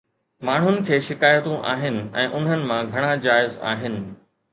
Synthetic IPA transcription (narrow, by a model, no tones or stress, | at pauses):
maːɳ̤ɦʊnɪ̆kʰeːʃɪkaːjət̪ũʔa̰ːɦɪnɪ̆ɛ̃ːʔʊn̤ənɪ̆mãɡʱɐɽ̃ad͡ʑaːɪza̰ːɦɪnɪ̆